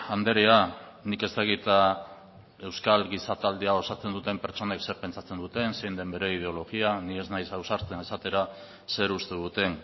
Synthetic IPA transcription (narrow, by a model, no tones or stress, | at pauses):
and̪e̞ɾea | nike̞st̪aɣit̪a | e̞wskalɡisat̪ald̪iao̞sat͡se̞nd̪ut̪e̞mpe̞ɾt͡so̞ne̞kse̞ɾpe̞nt͡sat͡se̞nd̪ut̪e̞nse̞jnd̪e̞mbe̞ɾe̞ið̞e̞o̞lo̞ɣianie̞znajsawsaɾt͡senesat̪e̞ɾa | se̞ɾust̪eðut̪e̞n